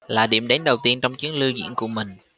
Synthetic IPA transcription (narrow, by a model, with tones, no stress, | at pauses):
laː˨˩ɗḭ˧˩əmɗe˨˦nɗə˨˩wt̪i˧ənt͡ɕɔ˧wŋ͡mt͡ɕi˨˦əŋlɨ˧wzḭ˧˥ənku˧˩əmï˨˩ŋ̟